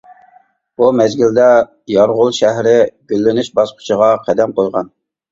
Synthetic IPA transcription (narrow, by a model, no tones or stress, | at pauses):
b̥umɛzɡʲild̪ɛ | jɑɾʁʊlˠʃæɦɾɪɡʲølːɪnyʃbɑsqʰʊ̥t͡ʃʰəʁɑqʰɛd̪ɛmqojʁɑn